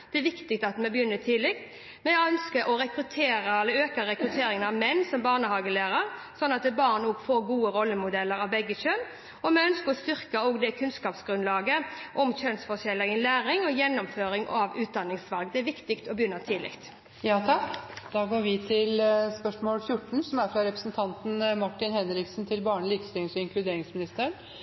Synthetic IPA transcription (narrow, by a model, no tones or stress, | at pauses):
d̪̥ɛɛʋɪkt̪ɪkt̪ɑt̪mɛbəjʏnːət̪ʰiːlɪkt̪ | mɛœnskəɾʔɔɾɛkɾʉt̪ʰeːɾəɛlːəɾøːkəɾɛkɾʉt̪ʰeːɾɪŋənɑʋmɛnːsɔmbɑːʁnəɦɑːɡəlæːɾəɾ | sɔnːɑt̪̚d̪ɛbɑːʁnɔːɡfoːɾɡuːəɾɔlːəmʊd̪ɛlːəɾɑʋbɛɡːəçøn | ɔmɛœnskəɾɔst̪ʏʁkəoːɡd̪ɛkʰʉnskɑːpsɡɾʉnlɑːɡəʔɔmçœnsfɔʂɛlːɪŋənlæːɾɪŋɔjɛnːɔmføːɾɪŋʔɑʋʉːt̪̚d̪ɑnːɪŋsʋɑlɡd̪ɛæɾʋɪkt̪ɪkt̪ɔbəjʏnːət̪ʰɪlɪ̰kt̪ | jɑːt̪ʰɑkd̪̥ɑːɡoːɾʋɪt̪ʰɪlspœʂmoːlfjʊʈːɳ̩sɔmæɾfɾɑɾɛpɾəsnt̪ʰɑnt̪n̩mɑʈːɪnhɛnɾɪksn̩t̪ʰɪlbɑːɳəlɪkst̪ʏsɔɪŋklʉd̪eːɾɪŋsmɪnɪst̪əɳ